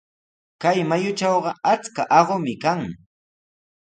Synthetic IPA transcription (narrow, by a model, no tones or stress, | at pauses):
kajmajʊt͡ʃɑwɢɑat͡skaʔɑɢomɪkaŋ